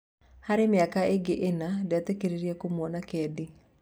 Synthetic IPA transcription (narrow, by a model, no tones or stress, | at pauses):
haɾemɪakaeɡeʔenadeatekeɾeɾiakomwɔnakɛdi